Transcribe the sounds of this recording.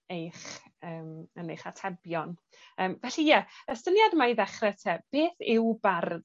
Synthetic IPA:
ejχ | əːmənejχatʰɛbjɔn | əːmvɛɬijɛɛstənjadmaiðɛχrɛtʰɛb̥eːθɪwbar

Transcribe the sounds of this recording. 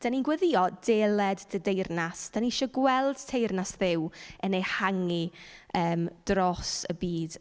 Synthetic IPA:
d̥aninɡwəðɪɔdɛːlɛdːədejrnasd̥aniʃɔɡwɛlˠd̥tʰejrnasðɪwənejhaŋiəːmd̥rɔsəbiːd̥

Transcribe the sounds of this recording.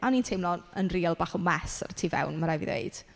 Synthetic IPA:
ʔaniːntʰejmlɔənriːlˠbaːχɔmɛsa̰rtʰiːvɛ̰wnmaɾajvḭðḛjd̥

